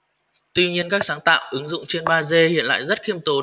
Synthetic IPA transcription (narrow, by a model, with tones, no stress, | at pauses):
t̪wi˧ɲi˧ənkaː˦˥k̚saː˨˦ŋt̪a̰ː˧˨wʔɨ˨˦ŋzʊ̰˧˨ŋ͡mt͡ɕe˧nɓaː˧ze˧hḭ˧˨ənla̰ː˧˨jzə˦˥t̚xi˧əmt̪o˨˦